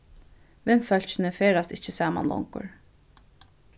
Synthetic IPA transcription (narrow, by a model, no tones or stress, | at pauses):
ʋɪnfœl̥t͡ʃɪnəfeːɾast̪ɪt͡ʃəsaːma̰nlɔ̰ŋkʊ̰ɹ